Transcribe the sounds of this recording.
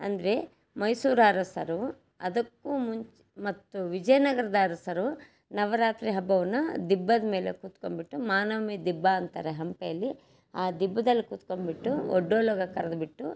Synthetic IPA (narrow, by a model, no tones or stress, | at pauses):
ɐ̰nd̪ɐɾe̞ | mɐjsuːɾaːɾɐsɐɾu | ɐ̰d̪ɐkːumuɲt͡ʃ | mɐt̪ːuʋid͡ʒɐjɐnɐɡɐɾɐd̪aːɾɐsɐɾu | nɐʋɐɾaːt̪ɾiɦɐbːɐʋɐnːɐd̪ibːɐd̪ɐmeːlekuːt̪kombiʈːumaːnɐʋmid̪ibːaɐnt̪aːɾeɦɐmpejɐlːi | aːd̪ibːɐd̪ɐlːikuːt̪kombiʈːuɔ̰ɖːoːloːɡɐkɐɾɐd̪biʈːu